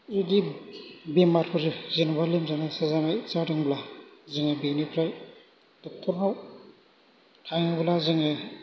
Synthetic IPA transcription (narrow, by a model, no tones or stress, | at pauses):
edibemaɾpʰɯɾɯzenbalimzanasazanajsadɯŋblazɯŋɯbinipʰɾaj | d̥ɔk̚tʰɔɾmaw | tʰaŋɯblazɯŋɯ